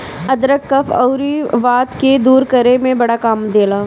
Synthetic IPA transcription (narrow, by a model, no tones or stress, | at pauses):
ɐd̪ɾəkːɐfʰɔʊɾiʋaːt̪ked̪uːɾkɐɾemẽbɐɽakaːmd̪eːlaː